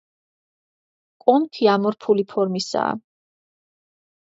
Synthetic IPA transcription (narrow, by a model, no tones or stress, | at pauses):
kʼɔmt̪ʰiamɔɾpʰulipʰɔɾmisa̰ː